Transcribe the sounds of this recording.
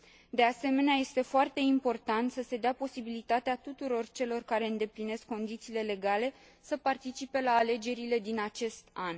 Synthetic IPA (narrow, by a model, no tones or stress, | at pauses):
d̪e̞ase̞me̞neaje̞st̪e̞foart̪e̞impo̞rt̪ant̪səse̞d̪eapo̞sibilit̪at̪eat̪ut̪uɾo̞rt͡ʃe̞lo̞rkaɾe̞ɨnd̪e̞pline̞skːo̞nd̪it̪siːle̞le̞ɡale̞ | səpart̪it͡ʃipe̞laːle̞d͡ʒe̞ɾile̞d̪inat͡ʃe̞st̪an